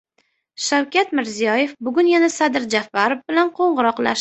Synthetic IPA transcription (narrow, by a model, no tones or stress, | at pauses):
ʃawkʲat̪mɪɾzijɒje̞fbʊɡʊnjanasad̪ɪɾd͡ʒafːaɾofbɪlanqʰoɴʁɨɾɒqla̰ʃ